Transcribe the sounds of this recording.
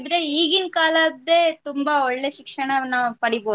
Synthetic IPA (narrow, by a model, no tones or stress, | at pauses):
d̪ɾeiːɡinkaːlɐd̪eːt̪ʊmbɐɔɭːeʃɪkʂɐɳɐnaːpɐɽipoː